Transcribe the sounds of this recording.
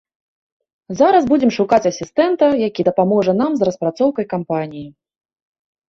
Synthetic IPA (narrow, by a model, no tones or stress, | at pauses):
zaɾɐzbud͡zʲɛmʂukat͡sʲɐsʲist̪ɛnt̪ɐjakʲid̪ɐpamɔʐɛnamzrɐspɾat̪sɔwkɐjkampanʲiji